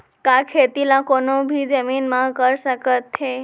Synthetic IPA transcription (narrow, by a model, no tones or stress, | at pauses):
kakʰet̪ilãkonobʱid͡ʒəminmãɦkəɾʃəkət̪ːʰe